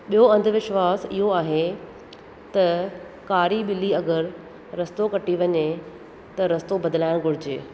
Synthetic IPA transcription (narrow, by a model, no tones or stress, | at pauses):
ɓijoɐ̃nd̪ʱʋɪʃʋaːsɪɦoaːɦe | t̪ɐ | kaːɾiɓɪliɐɡəɾ | ɾɐst̪okɐʈiʋɐɲe | t̪ɐɾɐst̪obɐd̪ɪlaːɪɽ̃ɡʱʊɽ̤ɪd͡ʑḛː